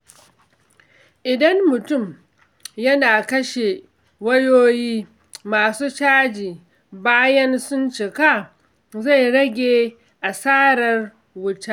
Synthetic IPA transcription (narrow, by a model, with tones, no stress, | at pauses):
ʔɪ˨dɐ˦mːʊ˨tʊ˦˨m | jɐ˦naː˨kɐ˦ʃe˨ | wɐ˦joː˦jiː˦ | maː˨suː˦t͡ʃaː˦d͡ʒiː˨ | baː˦jɐ˦nsʊ˦nt͡ʃɪ˨ka˦˨ | za˦˨jɽɐ˦ɡʲeː˨ | ʔa˨saː˦ɽɐ˦r | wʊ˦ta˦ʔ